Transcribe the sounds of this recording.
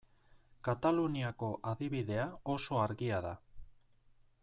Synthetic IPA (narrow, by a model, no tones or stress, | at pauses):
kat̪aluniako̞ʔaðiβiðe̞ao̞so̞aɾɣiaða